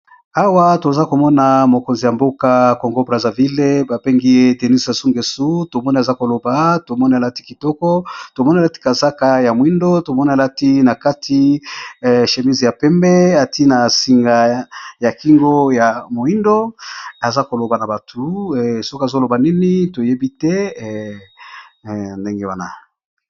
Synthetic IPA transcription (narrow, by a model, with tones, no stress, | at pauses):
a˦wa˦to˨za˦ko˨mɔ˦na˨mo˨ko˨nzi˨ja˨mbo˦ka˦ko˨ŋɡo˦bʁa˨za˨vi˦le˦ba˨pe˦ŋɡi˦je˦˨te˨ni˦sa˨su˦ŋɡe˨su˦to˨mɔ˦ni˦a˨za˦ko˨lo˨ba˨˦to˨mɔ˦ni˦a˨la˦ti˦ki˨tɔ˦kɔ˦to˨mɔ˦ni˦a˨la˦ti̥˦ka˨za˦ka˨ja˨mwi˦ndo˦to˨mɔ˦ni˦a˨la˦ti˦na˨ka˦tʰi˦˨ | ʃe˨mi˦zja˨pɛ˦mbɛ˦a˨tʰi˦na˨si˨ŋɡa˨ja˨ki˦ŋɡo˦ja˨mo˨i˦ndo˦a˨za˦ko˨lo˨ba˨na˨ba˨tʰu˨so˦ko˦a˨zo˦lo˨ba˨nɛ˦ni˦to˨je˦bi˦tɛ˦˨ | nde˦ŋɡe˦wa˦na̰˨